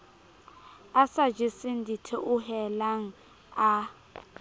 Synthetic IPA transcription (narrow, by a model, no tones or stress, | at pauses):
asad͡ʒisindʱitʰɛʔuhɛlaŋ̩ | a